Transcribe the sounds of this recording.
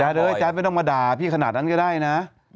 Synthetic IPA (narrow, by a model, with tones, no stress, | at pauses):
aː˧˥lɤː˧˩jt͡ɕaː˧˥ma˧˥˩t̪ɔ˥˩maː˧daː˨˩pʰiː˥˩kʰa˧naː˨˩t̪̚na˦˥˨kɔ˥˩aː˥˩jna˦˥